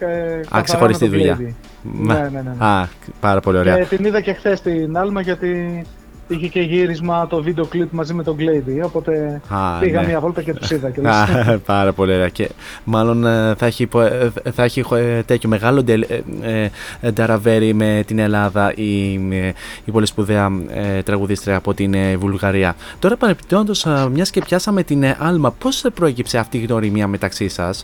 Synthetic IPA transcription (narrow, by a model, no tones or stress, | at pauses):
ksexoɾisst̪iðuʎɐi | menenenɐpɐɾɐpo̞lio̞ɾeɐt̪iniðɐce̞xθest̪inɐlmɐʝɐt̪i | içece̞ʝiɾizmɐt̪o̞vid̪eoklipmɐzimet̪o̞ɡlejd̪io̞po̞t̪e̞ɐpiɣɐɐvolt̪ɐcet̪usiðɐceɐpɐɾɐpo̞lio̞ɾeɐce̞̰ | mɐlo̞nθɐeçipoθɐeçixt̪e̞t̪ʰço̞me̞ɣɐlo̞d̪eed̪ɐɾɐve̞ɾime̞t̪ine̞lɐðɐʔi | po̞lispuðeɐet̪ɾɐɣuðist̪ɾeɐpo̞t̪invulɣɐɾiɐt̪o̞ɾɐpɐnepit̪oɐnd̪o̞smɲɐsce̞pçɐsɐme̞t̪inɐlmɐpo̞spɾo̞e̞cipse̞ɐft̪iːɣno̞ɾimiɐme̞t̪ɐksisɐs